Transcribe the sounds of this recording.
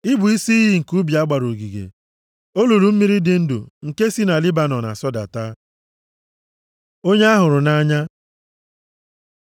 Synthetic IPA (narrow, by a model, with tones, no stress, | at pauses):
ɪ˦bʊ˨i˦si˦ɦi˦ŋ̩˨ku˦bi˨a˦ɡ͡ba˨ɾo˨ɡi˨ɡḛ˨ | o˦lu˨ɾu˨m̩˦mi˦ɾi˦dɪ˨n̩˦dṵ˨ŋ̩˨ke˦si˦na˨li˦ba˨nɔ˨na̰˨sɔ˦da̰˨ta˦ | o˦ɲe˦a˦ɦʊ˨ɾʊ˨na˦ɲa˦